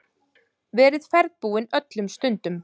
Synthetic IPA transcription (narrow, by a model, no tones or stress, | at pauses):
vɛːɾɪðfɛɾðpuːɪnœt̪lʏmst̪ʏnt̪ʏm